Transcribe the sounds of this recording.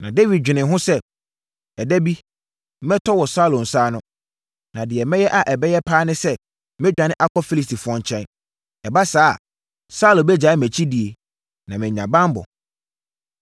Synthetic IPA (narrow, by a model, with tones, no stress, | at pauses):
nã˨de˦vi˨d̚ᶣɪ˨nɪ̃˨ɦʊ̃˦sɛ˦ | ɛ˨dæ˦bi˦ | mɛ̃˦tʰɔ˦wɔ˨sa˦˨lõ˨n̩˨saː˦nʊ̃˦ | nã˨dɪ˨ɛ˨mɛ̃˦jɛ˦ʔa˨ʔɛ˨bɛ˦jɛ˦pʰaː˦nɪ̃˦sɛ˦ | mɪ̃˦d͡ʑᶣã˨nɪ̃˦ʔa˦kʰɔ˦fi˦li˨sti˨fʊ˨˦ɔ̃˦ɲ˨t͡ɕʰɛ̃˦n | ɛ˨ba˦saː˦a˨ | sa˦lõ˨bɛ˦d͡ʑa˨˦mæ̃˨t͡ɕʰi˦di˨e˨ | nã˨mɪ̃˨ɲã˨bã˦m˦bɔ̰˨